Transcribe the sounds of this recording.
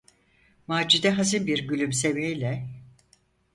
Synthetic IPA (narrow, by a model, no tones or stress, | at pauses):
maːd͡ʒid̪ɛɦazɯnbiɾɟylʲymsevejlʲɛ